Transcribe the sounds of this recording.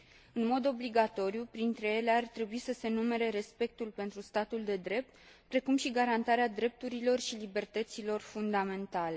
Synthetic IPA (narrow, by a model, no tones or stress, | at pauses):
ɨnmo̞d̪o̞bliɡat̪o̞ɾijupɾint̪ɾe̞je̞leart̪ɾe̞buisəse̞nume̞ɾe̞ɾe̞spe̞k̚t̪ulpe̞nt̪ɾust̪at̪uld̪e̞d̪ɾe̞p̚t̪ | pɾe̞kumʃiɡaɾant̪aɾead̪ɾe̞p̚t̪uɾilo̞rʃilibe̞rt̪ət̪silo̞rfund̪ame̞nt̪ale̞